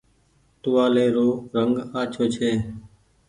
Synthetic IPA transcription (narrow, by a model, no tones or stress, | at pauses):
t̪ʊʋaːleːɾoːɾəŋɡaːt͡ʃʰoːt͡ʃʰeː